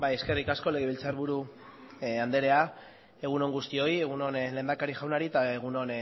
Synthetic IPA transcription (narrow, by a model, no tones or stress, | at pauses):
bajeske̞rikasko̞le̞ɣeβilt͡saɾβuɾu | and̪e̞ɾe̞a | e̞ɣ̞uno̞ŋɡust̪io̞je̞ɣuno̞nle̞ːnd̪akaɾiʝawnaɾit̪aeɣ̞uno̞n